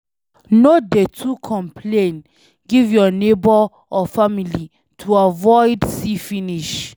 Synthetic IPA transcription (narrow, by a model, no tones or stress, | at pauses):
nodetʰukʰɔ̃mpʰlẽn | ɡivjɔnebɔ | ɔfamili | tʰuavɔɪdsifiniʃ